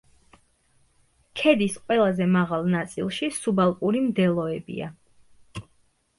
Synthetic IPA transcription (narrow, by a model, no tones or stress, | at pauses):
kʰɛd̪isqʼwɛlˠazɛmaʁalˠnat̪sʼḭlˠʃisubalˠkʼuɾimd̪ɛlˠɔɛbḭa̰